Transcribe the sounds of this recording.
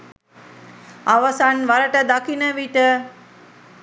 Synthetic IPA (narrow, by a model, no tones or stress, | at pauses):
aʋasanʋaɾəʈəd̪akinəʋiʈə